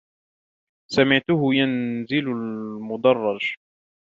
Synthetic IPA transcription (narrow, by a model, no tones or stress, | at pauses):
samɪʕt̪ʊhʊjanzɪlʊlmʊd̪ɑrˤːɑʒ